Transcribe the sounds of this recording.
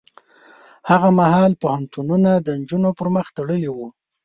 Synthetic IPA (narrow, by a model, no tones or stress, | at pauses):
haɣamahɑlpohant̪ununad̪ənd͡ʒunopəɾməxt̪aɽəliwu